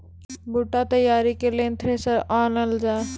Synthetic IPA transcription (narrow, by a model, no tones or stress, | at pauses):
buʈat̪əjaːɾikelent̪ʰɾeːsəɾaːnəld͡ʒaːe